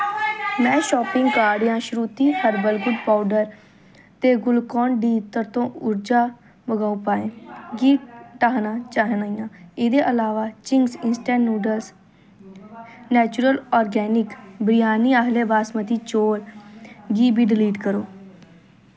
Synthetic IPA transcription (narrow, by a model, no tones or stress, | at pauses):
mɛ̃ːʃɔːpɪ̃ŋɡkaːɾɖjãːʃɾuːt̪iːhʰəɾbəlɡʊɖpaːʊɖəɾ | t̪eːɡʊlkɔːnɖiːt̪əɾt̪õːʊɾd͡ʒaː | bəɡaːupaːẽːɡiːʈaːɦnãːt͡ʃaːɦnaːijãːɪd̪eːʔəlaːʋaːt͡ʃɪŋɡsɪnsʈɛ̃ːɳnuːɖəls | nɛːt͡ʃuɾəlɔːɾɡɛːnɪkbɾɪjaːniːaɦleːbaːsmət̪iːt͡ʃoːlɡiːbiːɖɪliːʈkəɾoː